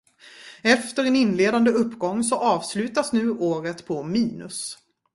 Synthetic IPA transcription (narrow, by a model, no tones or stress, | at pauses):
ɛft̪əɾɛnɪnːleːd̪and̪əɵpːɡɔŋːsɔʔɑːvslʉ̟ːt̪asnʉ̟ːʔoːɾət̪pʰɔmiːnɵ̰s